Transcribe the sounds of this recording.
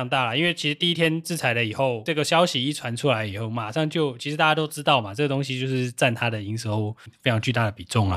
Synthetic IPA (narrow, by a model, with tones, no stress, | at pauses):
ŋt̪a˥˩lɐ˩i˥nwe˥˩ɪt͡ɕʰi˧˥ʂɻ̩˧t̪i˥˩i˥t̪ʰjɛ˥nt͡sɹ̩˥˩t͡sʰa˧˥ɪlə˨i˨˩xo˥˩ʊʈ͡ʂɤ˥˩ɡə˩ɕjɑ˥ʊɕi˨i˥˩ʈ͡ʂʰwa˧˦nʈ͡ʂʰu˥la˧˦ɪi˨˩xo˥˩ʊma˨˩ʂɑ˥˧ŋt͡ɕjo˥˨˩ʊt͡ɕʰi˧˥ʂ̩˧t̪a˥˩ja˥t̪o˥ʊʈ͡ʂɻ̩˥t̪ɑ˥˩ʊma˩t͡sɤ˥˩ɡə˩t̪o˥ŋɕi˧t͡ɕjo˥˧ʊʂɻ̩˥˧t͡sa˥˩nt̪ʰa˥d̪ə˨i˧˥ŋsə˧˥˩fe˥ɪʈ͡ʂʰɑ˧˥ŋt͡ɕy˥˧t̪a˥˩d̪ə˩pi˨˩ʈ͡ʂʊ˥˩ŋlɐ̰˩